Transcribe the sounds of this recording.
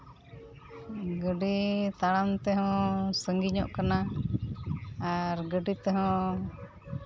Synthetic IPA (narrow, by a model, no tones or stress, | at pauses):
ɡəɖit̪aɽamt̪ɛɦɔ̃səŋɡiɲɔ̰ʔkana | aɾɡəɖit̪ɛɦɔ̃